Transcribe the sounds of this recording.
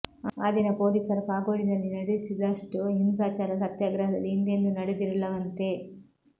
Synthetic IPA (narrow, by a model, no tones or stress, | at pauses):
aːd̪inɐpoːliːsɐɾɐpaːɡoːɽinɐlːinɐɽesid̪ɐʂʈuɦimsaːt͡ʃaːɾɐsɐt̪jaːɡɾɐɦɐd̪ɐ̰lːiind̪end̪unɐɽed̪iɾilːɐʋɐnt̪e̞ː